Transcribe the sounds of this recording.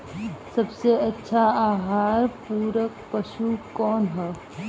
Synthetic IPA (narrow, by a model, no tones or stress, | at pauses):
sɐbseɐtːʃʰaaːɦaːɾpuːɾək̚pɐʃukɔːnɦɛː